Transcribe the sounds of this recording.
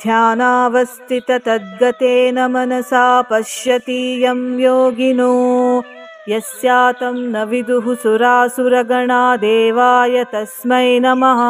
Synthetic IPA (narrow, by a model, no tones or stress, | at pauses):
d̪ʱjaːnaːʋɐst̪ʰit̪ɐt̪ɐd̪̚ɡɐt̪eːnɐmɐnɐsaːpɐʃjɐt̪iːjɐmjoːɡinuː | jɐsjaːt̪ɐmnɐʋid̪uɦusuɾaːsuɾɐɡɐɳaːd̪eːʋaːjɐt̪ɐsmɐjnɐmɐɦɐ